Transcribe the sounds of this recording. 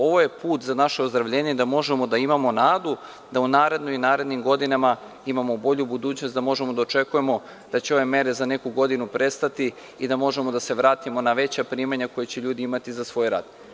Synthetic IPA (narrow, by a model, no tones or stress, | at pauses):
o̞ʋo̞je̞puːt̪zanaʃeozd̪ɾaʋʎeːɲed̪amo̞ʒemo̞d̪aimamo̞naːd̪u | d̪aunaːɾe̞d̪noinaːɾe̞d̪nimɡo̞d̪inama | imamo̞bo̞ʎubud̪uːt͡ɕnosd̪amo̞ʒemod̪aot͡ʃe̞kuje̞mo̞ | d̪̥at͡ɕeo̞ʋe̞me̞ɾe̞zane̞kuɡo̞d̪inupɾe̞st̪at̪i | id̪amo̞ʒe̞mo̞d̪ase̞ʋɾaːt̪imo̞naʋe̞t͡ɕapɾiːmaɲako̞jet͡ɕeʎuːd̪iimat̪izasʋo̞jɾa̰t̪